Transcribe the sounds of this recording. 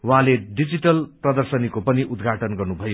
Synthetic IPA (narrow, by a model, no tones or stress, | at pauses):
wɦãleɖid͡ziʈʌlprʌd̪ʌrsʌnikopʌniʔud̪ɡʱaʈʌnɡʌrnubʱʌjo